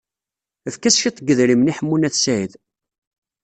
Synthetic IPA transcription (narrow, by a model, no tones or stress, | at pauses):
əfkæsçit̪ˤːɡːəðɾimniħəmːunæθsæjð